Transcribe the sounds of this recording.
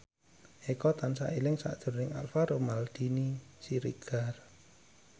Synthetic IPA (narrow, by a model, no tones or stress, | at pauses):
ʔekɔt̪ansa̰ʔilɪŋsa̰ʔd̥ʒ̥ʊ̤rnɪŋa̰lfaɾomald̪̥inisiɾḭɡ̥ar